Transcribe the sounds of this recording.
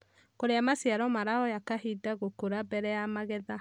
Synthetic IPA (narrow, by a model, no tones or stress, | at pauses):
koɾeamasjaɾɔmaɾaɔjakaɦidaɣokoɾabɛɾɛjamaɣɛða